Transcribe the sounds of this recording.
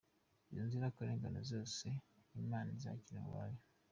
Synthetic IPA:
oːnziɾakuɾeːŋɡano̰zoːseimaːniza̰ːciɾewa̰je

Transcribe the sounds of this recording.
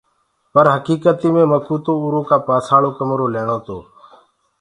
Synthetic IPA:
pəɾɦəkiːkət̪iːmẽːməkuːt̪õːuːɾõːkaːpaːsaːɭoːkəmɾoːleːɳoːt̪oː

